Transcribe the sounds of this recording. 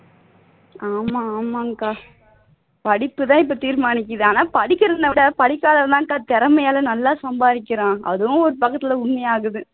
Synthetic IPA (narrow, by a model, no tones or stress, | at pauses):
aːmaːmaːŋkaː | pɐɽɪpːɯt̪ãːɪp̬ːoːt̪iːɾmaːnɪk̬ːɐðɯaːnaːpɐɽɪkːɪɾɐnd̪ɐʋɪɽɐpɐɽɪkːaːðɐʋt̪ãːŋkaːt̪ɛɾɐmɐjaːlɐnɐlːaːsɐmbaːðɪkʲːɪɾãːɐ̰ðɯʋʊ̃ɔɾɯpɐkːɐt̪ːɪlɐʊɳmɐjaːɣɯðɯ